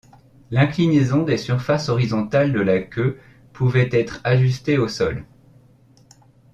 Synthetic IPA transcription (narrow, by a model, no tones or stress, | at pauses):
lɛ̃klinezɔ̃d̪esyʁfasɔʁizɔ̃t̪ald̪əlakʲø | pʰuvɛt̪ɛt̪χaʒys̬t̪eosɔl